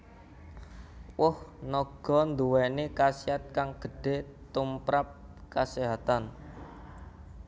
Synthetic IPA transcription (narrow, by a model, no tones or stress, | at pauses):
wʊhnɔɡ̥ɔ̤nd̪uwɛnekasiat̪̚kaŋɡ̥ə̤ɖ̥e̤t̪umpɾap̚kaseɦat̪an